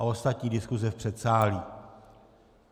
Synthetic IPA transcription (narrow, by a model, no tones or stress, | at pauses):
aost̪at̪ɲiːdɪskuzɛfpr̥ɛt̪saːliː